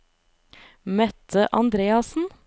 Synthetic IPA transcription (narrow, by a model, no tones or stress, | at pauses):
mɛt̪ʰəʔɑnd̪ɾeːɑsn̩